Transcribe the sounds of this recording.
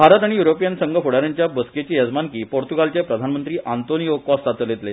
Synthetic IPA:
bʱaɾət̪aɽ̃ijuɾopijənsəŋɡʱəfʰoɽaɾjaɲt͡ɕjabəsket͡ɕiːjəd͡zmankiːpoɾt̪uɡalt͡ɕepɾəd̪ʱanmənt̪ɾiːʔant̪onijokɔst̪at̪əljet̪le

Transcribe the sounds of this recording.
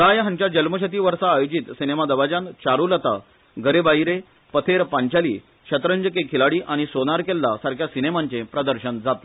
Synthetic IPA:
t̪ajɦãɲt͡ɕad͡ʑəlməɕət̪̬iːʋəɾsaːjod͡ʑit̪sinemad̪əʋad͡ʑant͡ɕaɾulət̪a̰ | ɡʱəɾebaɦiɾe | pət̪ʰeɾpaɲt͡ɕalḭː | ɕət̪ɾəɲd͡ʑəkekʰilaɽiːʔaɽ̃isonaɾkelːasaɾkʰjasinemãɲt͡ɕepɾəd̪əɾɕənd͡zat̪e

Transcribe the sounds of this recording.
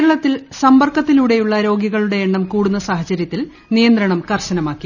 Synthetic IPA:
ɾɐɭɐt̪ːilsɐmbɐrkːɐt̪ːiluɽe̞juɭːɐɾo̞ːɡjiɣɐɭuɽe̞ːɳːɐmkuːɽunːɐsaːɦɐt͡ɕɐɾjɐt̪ːil | nijɐnd̪ɾɐɳɐmkɐrɕɐnɐmaːkːi

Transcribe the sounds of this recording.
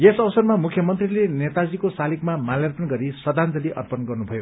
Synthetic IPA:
jesʌwʌsʌrmamukʰjʌmʌnt̪rilenet̪ad͡zikosalikmamaljerpʌnɡʌɾisʌd̪ʱand͡zʌliʔʌ̰rpʌnɡʌrnubʱʌjo

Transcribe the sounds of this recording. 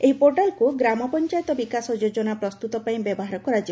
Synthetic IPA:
eɦipoɾʈalkuɡɾamɔpɔnt͡ʃajet̪ɔbikasɔd͡ʒod͡ʒɔnapɾɔst̪ut̪ɔpaĩbjɔbɔɦaɾɔkuɾad͡ʒi

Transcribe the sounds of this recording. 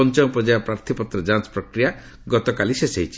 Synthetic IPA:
ɔnt͡ʃɔjɔpɾɔd͡ʒajɔpɾaɾt̪ʰipɔt̪ɾɔd͡ʒanspɾɔkɾija | ɡɔt̪ɔkalisesejt͡ʃʰi̥

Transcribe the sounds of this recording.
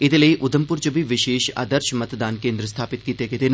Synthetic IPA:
ɪd̪lɐiʔʊd̪ʱəmpʊɾt͡ʃəbʱiʋɪʃeːʃa̰ːd̪əɾʃmɐt̪d̪aːnkẽːnd̪ɾəst̪ʰaːpɪt̪̚kiːt̪eket̪en

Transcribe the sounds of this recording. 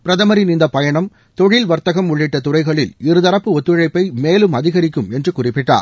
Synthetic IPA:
pɪɾɐðɐmɐɾinind̪ɐpɐjɐɳɐm | t̪ɔɻɪlʋɐɾt̪ɐɣɐmʊɭːɪʈːɐt̪ʊrɐɪɣɐɭɪlɪɾɯðɐɾɐpːɯɔt̪ːɯɻɐɪpːɐɪmeːlɯmɐðɪɣɐɾɪk̬ːɯmɛndrɯkʊrɪpːɪʈːa̰ːɾ

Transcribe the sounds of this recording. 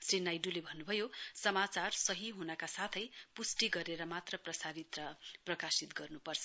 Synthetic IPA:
srinajɖulebʱʌnːubʱʌjosʌmat͡sarsʌɦiɦunʌkasat̪ʰʌjpusʈiɡʌɾeɾʌmat̪rʌprʌsaɾit̪rʌprʌkasit̪ɡʌrnupʌrt͡sʰʌ

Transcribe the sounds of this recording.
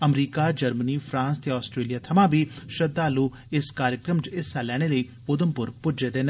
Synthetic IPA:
əmɾiːkaːd͡ʒəɾməniːpʰɾãːnst̪eɔːsʈɾeːlijaːt̪ʰəmãːbiːʃəd̪aːluː | ɪskaːɾjəkɾəmt͡ʃɪsaːlɛːɽ̃eːləiː | ʊd̪əmpʊɾpʊd͡ʒeːd̪eːn

